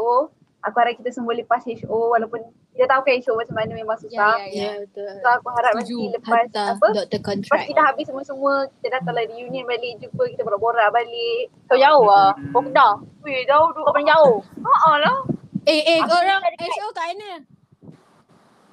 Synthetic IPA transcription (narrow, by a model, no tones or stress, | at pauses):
o | akuhaɾat̪̚kit̪asəmuələpaset͡ʃowalawpʊn | kit̪at̪aukanet͡ʃomat͡ʃamanəmemaŋsusat̪soakuɦaɾat̪̚masiləpasapəd̪əkɔnt̪ɾpaskit̪aɦabɪsːəmuəsəmũəki̥t̪ədat̪aladijuniənbalɪʔd͡ʒubəkit̪abəlaboɾaʔbalɪʔt̪aud͡ʒaʊhakokəndad͡ʒaʊhdukapaŋd͡ʒaʊhoʔəlaeeakoɾaŋadikok̪aenə